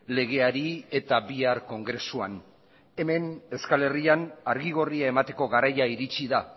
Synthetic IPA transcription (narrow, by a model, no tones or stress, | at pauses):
le̞ɣ̞e̞aɾie̞t̪aβiaɾko̞ŋɡɾe̞suan | e̞me̞ne̞skale̞rianaɾɣiɣo̞riae̞mat̪e̞ko̞ɣaɾajaiɾit͡ʃiða